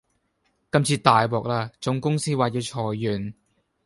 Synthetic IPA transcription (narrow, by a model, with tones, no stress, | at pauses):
kɐ˥mt͡sʰiː˧t̪aː˨jwɔː˨k̚laː˧t͡sʊ˨˥ŋkʊ˥ŋsiː˥waː˨˧t̚jiː˧wt͡sʰɔː˨˩jːyː˨˩n